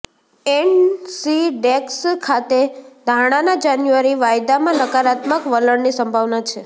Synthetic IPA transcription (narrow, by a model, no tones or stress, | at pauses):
ensiɖekskʰat̪ed̪ʱaɽ̃anad͡ʒanjuaɾiʋajd̪amãnəkaɾat̪məkʋələɳnisəmbʱaʋnat͡ʃʰe